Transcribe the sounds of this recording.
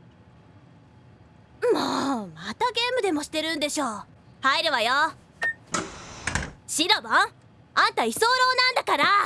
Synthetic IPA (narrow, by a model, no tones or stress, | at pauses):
moːmat̪aɡe̞ːmɯ̟d̪e̞mo̞ɕi̥t̪e̞ɾɯ̟̃nd̪e̞ɕo̞ː | haiɾɯβajo | ɕiɾobã | ãnt̪aisoːɾo̞ːnãnd̪akaɾa